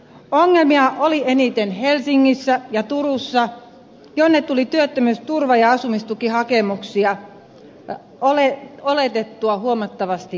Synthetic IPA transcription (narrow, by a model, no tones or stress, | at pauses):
oŋːelmiɑʔolienit̪enhelsiŋːisːæjɑt̪urusːɑ | jonːet̪t̪ulit̪yøt̪ːømyøst̪urʋɑjɑɑsumist̪ukihɑkemuksiɑ | oleolet̪et̪ːuɑhuomɑt̪ːɑʋɑst̪i